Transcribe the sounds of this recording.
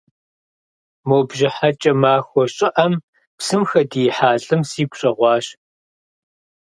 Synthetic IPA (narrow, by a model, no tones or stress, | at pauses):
moːbʒɪħat͡ʃʼɐmaːxʷɔɕʼɪʔɐm | psɨmxɐdijħaːɬʼɨmsiːɡʷɕʼɐʁʷɑːɕ